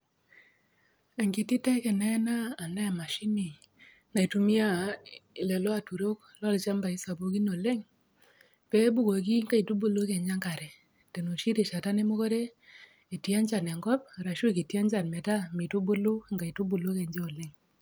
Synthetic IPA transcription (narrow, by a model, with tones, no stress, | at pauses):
a˨ŋɡi˦ti˦tɛ˦kɛ˨nɛ˦naː˦˨nɛ˦˨ma˨ʃi˦ni˨ | na˨i˨tu˦mi˦a˦ɪ˨lɛ˨lo˦a˨tu˨ɾo˦k | lɔ˦lt͡ʃa˦mba˨i˦sa˨bo˨˦ki˦no˨le˦ŋ | pɛ˦bu˦ko˨ki˦ŋɡa˦i˨tu˦bu˨lo˦ke˨ɲd͡ʒa˦ŋɡa˨ɾɛ˨ | te˨no˨ʃi˦ɾe˨ʃa˨ta˦ne˦mo˦kɔ˦ɾe˦ | i˨tja˦ɲt͡ʃa˨nɛ˨ŋɡɔ˦p̚ɾa˨ʃu˦ki˨tja˦nt͡ʃa˨nmɛ˨ta˦mi˨tu˦bu˦lu˦a˨ŋɡa˨i˨tu˦bu˨lo˦ke˨ɲd͡ʒe˦o˨lɛ˦ŋ